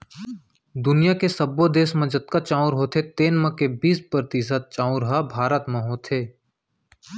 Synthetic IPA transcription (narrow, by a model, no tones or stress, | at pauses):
d̪ʊnijakesəbod̪eːsmə̃d͡ʒət̪kat͡ʃãːʊɾɦoːt̪ʰet̪eːnmə̃kebiːspɾɾt̪ɪsət̪̚t͡ʃãːʊɾɦabʱaːɾət̪mẽɦoːt̪ʰeː